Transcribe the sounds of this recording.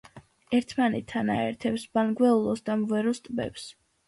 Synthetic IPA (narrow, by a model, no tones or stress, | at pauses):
ɛɾt̪ʰmanɛt̪ʰːanaɛ̰ɾt̪ʰɛpsbanɡwɛulˠɔsd̪amvɛɾɔst̪ʼbɛ̰ps